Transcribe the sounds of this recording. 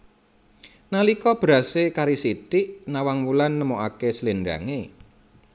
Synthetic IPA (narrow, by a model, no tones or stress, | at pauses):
nalikɔb̥əɾa̤sekaɾisit̪ɪʔnawaŋmulanːəmoʔakesəlinɖa̰ŋe